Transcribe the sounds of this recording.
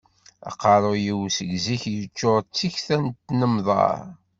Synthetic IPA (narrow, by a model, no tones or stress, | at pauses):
ɑ̰qːɑɾˤojiwsəɡziçjət͡ʃːoɾt͡sːiçθænt̪ːnəmðˤɑ̰ɾˤ